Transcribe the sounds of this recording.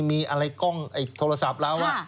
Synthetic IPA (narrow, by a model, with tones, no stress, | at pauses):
miː˧ʔa˧ɾa˧jkɔ˥˩ŋʔa˨˩jt̪ʰoː˧ɾa˧sa˨˩˦p̚lɛː˦˥wwaː˥˩